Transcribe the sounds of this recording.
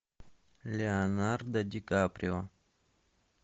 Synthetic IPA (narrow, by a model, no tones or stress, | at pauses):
lʲeanard̪ad̪ikapɾʲiwa